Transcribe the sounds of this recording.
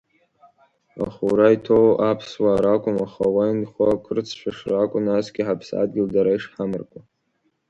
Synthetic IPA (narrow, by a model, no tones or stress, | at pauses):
a̰χuɾaitʰowʔapʰswaːɾakʷʼʊmaχawainχʷakʰɨrt͡sʰʃʷʰᶣaʂrakʷʼʊnasɡʲiħapʰsa̰d̚ɡʲɪldaɾaiʂħamɨrkʷʼa